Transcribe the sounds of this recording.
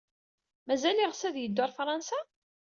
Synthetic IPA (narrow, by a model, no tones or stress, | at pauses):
mæzæliʁsæðjəd̪ːʊɾˤfɾˤɑnsæ